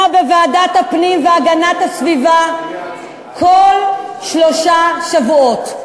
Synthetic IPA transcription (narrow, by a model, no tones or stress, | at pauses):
bevaːdathapnimveaɡanatasviva | kʰolʃloʃaʃavuo̞t